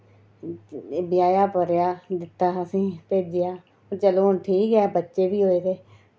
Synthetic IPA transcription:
bɪjaːjaːpəɾjaːd̪ɪt̪ːaːəsĩːp̪eːd͡ʒɪjaː | t͡ʃəloːnʈʰiːkɛːbətːʃeːʋiːɦoːeːt̪eː

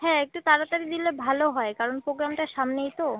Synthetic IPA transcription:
ɦɛ̃ek̚ʈut̪aɾat̪aɾid̪ilebʱaloɦɔekaɾonpɾoɡɾamʈaʃamneejt̪o

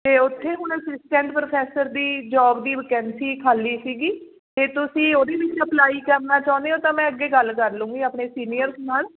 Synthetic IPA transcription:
t̪eːʊt̪ʰːeːɦʊñsɪsʈɛ̃ːɳʈpɾoːpʰɛːsəɾd̪iːd͡ʒɔːbd̪iːʋəkɛ̃ːnsiːkʰaːliːsiːɡiː | t̪eːt̪ʊsĩːoːd̪eːʋɪt͡ʃəplaːiːkənaːt͡ʃaːʊ̃nd̪eːõːt̪ãːmɛ̃ːəɡːeːɡəlkəɾlũːŋɡiːəpɳeːsiːnijəɾsnaːl

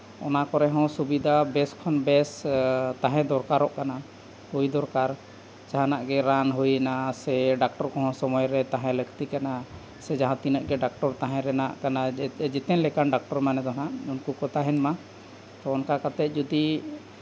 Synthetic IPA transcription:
ɔnakɔɾɛɦɔ̃subid̪abɛskʰɔnbɛst̪ãɦɛ̃d̪ɔɾkaɾɔʔkana | hujd̪ɔɾkaɾ | d͡ʒaɦãnaʔɡɛɾanɦujnasɛɖak̚ʈɔɾkɔɦɔ̃sɔmɔjɾɛt̪aɦɛ̃ləkʰt̪ikana | sɛd͡ʒaɦãt̪inəʔɡɛɖak̚ʈɔɾt̪ãɦɛ̃ɾɛnaʔkanad͡ʒɛt̪ɛnlɛkanɖak̚ʈɔɾmanɛd̪ɔnaʔunkukɔt̪aɦɛnma | t̪ɔːnkakat̪ɛt̪̚ˀd͡ʒɔd̪i

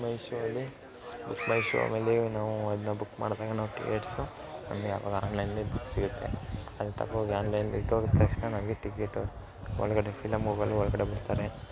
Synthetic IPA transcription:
mɐjʃuɐlːi | bukːmɐjʃṵɐ̰meːlenaːʋuɐd̪ɐnːɐbukːma̰ːɽd̪aːɡɐnaːʋuʈḭkeːʈsu | nɐ̰mɐɡeaːʋa̰ːɡɐa̰ːnlɐjnlebukːsiɡut̪ːe̞̰ɐd̪t̪ʰɐ̰pːɐɡaːnlɐjnid̪oːɡt̪ːɐkʂnɐnɐmɐɡeʈikeʈːu | ɔ̰ɭːɐɡɐɽepʰilɐmɡoːɡɐlːuɔɭːɐɡɐɽebuɽt̪aːɾe

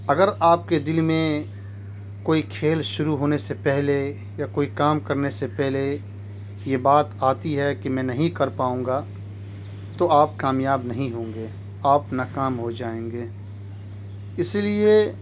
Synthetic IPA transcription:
ɐɡəɾaːp̚ked̪ɪlmẽ | koːikʰeːlʃʊɾuɦoːnesepɛɦle | jakoːikaːmkɐɾnesepɛɦle | jebaːt̪aːt̪iɦɛkimɛ̃ːnɐɦĩkɐɾpaːũːŋɡa | t̪oaːp̚kaːmjaːbnɐɦĩɦõːŋɡe | aːpnaːkaːmɦod͡ʒaːẽːŋɡeː | ɪslie

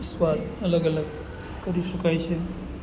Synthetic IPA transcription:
sʋalələɡələɡ | kəɾisəkajt͡ɕʰe

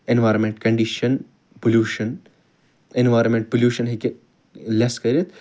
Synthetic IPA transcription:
enʋaːɾɐmẽɳʈkɐɳɖiʃɐn | poljuːʃɐn | enʋaːɾmẽɳʈ̚poljuːʃɐnɦike | leskɐɾit̪

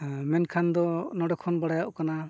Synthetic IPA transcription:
mɛnkʰand̪ɔnɔɖɔkʰɔnbaɽajaʔkana

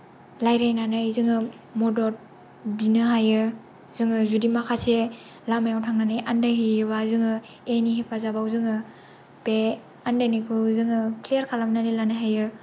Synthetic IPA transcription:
lajɾajnanajzɯŋɯ | modoɾ | binɯɦajɯ | zɯŋɯzudimakʰase | lamajawtʰaŋnanajandaɦijɯβazɯŋɯ | eniɦepʰazabawzɯŋɯ | pe | andanikʰuzɯŋɯklijaɾkʰalamnanilanɯɦajɯ

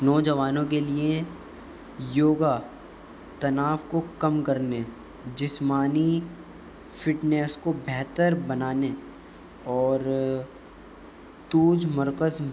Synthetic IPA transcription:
nɔːd͡ʒɐʋaːnõk̬elie | joːɡa | t̪ɐnaːʋkokɐmkɐɾne | d͡ʒɪsmaːni | fɪʈneːskobʱɛɦt̪əɾbɐnaːne | ɔːɾ | t̪uːd͡ʒmɐɾkəz

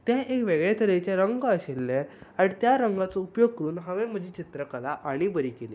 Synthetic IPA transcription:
t̪jãʔekʋeɡɭet̪ʰəɾet͡ɕaɾəŋɡːɕelːeaɽ̃it̪jaɾəŋɡat͡səupjoɡ̚kəɾuːnɦãʋẽm̤əd͡ʑʱiːt͡ɕit̪ɾəkəlaʔaɽ̃ibəɾiːkeliː

